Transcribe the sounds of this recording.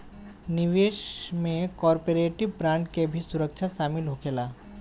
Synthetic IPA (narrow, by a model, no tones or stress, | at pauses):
nɪʋeːʃmẽkɔːɾpeɾeːʈɪʋpɾãːɳɖkebʱisʊɾəkʃʰaʃaːmɪlɦokeːlaː